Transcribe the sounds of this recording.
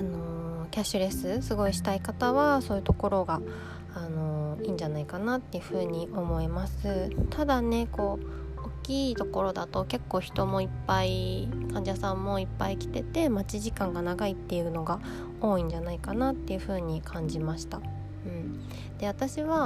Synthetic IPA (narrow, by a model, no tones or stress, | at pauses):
ano̞kʲaɕɨɾe̞sɨsɨɡo̞iɕi̥t̪aikat̪aβasoːjɯ̟t̪o̞ko̞ɾo̞ɡaː | no̞iːɲ̟d͡ʑanaikanat̪ːe̞jɯ̟ɸɯ̟ːɲ̟iʔo̞mo̞emasɨt̪ʰad̪ane̞ko̞ː | okʲːiːt̪o̞ko̞ɾo̞d̪at̪o̞ke̞kːo̞ːçi̥t̪o̞mo̞ipːaikʰãɲ̟d͡ʑasãmːo̞ipːaikʲi̥t̪e̞t̪e̞mat͡ɕiʑikãŋɡanaɡait̪ːe̞jɯ̟no̞ɡa | o̞ːĩɲ̟d͡ʑanaikanat̪ːe̞jɯ̟ɸɯ̟ːɲ̟ikʰãɲ̟d͡ʑimaɕi̥t̪a | ɯ̟̃ɴ | d̪̥e̞βat̪aɕiβa